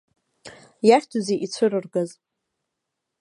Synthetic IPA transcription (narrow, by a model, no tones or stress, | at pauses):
jaχʲtʰuzeʔit͡sʷʰɨrɨrɡaz